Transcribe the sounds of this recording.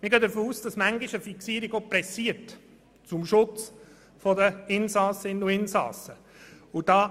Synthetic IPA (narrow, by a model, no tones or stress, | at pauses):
mɪɡøːd̪əɾfoːuːsd̥ɑsmæŋɡɪʃəfiksiːəɾiɡopɾɛsiəɾt | t͡sʊmʃʊt͡s | fɔd̪əɪnsɑːsəɪnʊɪnsɑ̰ːsə | ʊd̥ɑː